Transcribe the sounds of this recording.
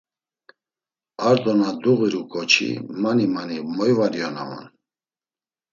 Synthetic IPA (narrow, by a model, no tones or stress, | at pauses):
aɾd̪ɔnad̪uɣiɾukʼɔt͡ʃʰḭmanimanimɔjvaɾiɔna̰vɔ̰n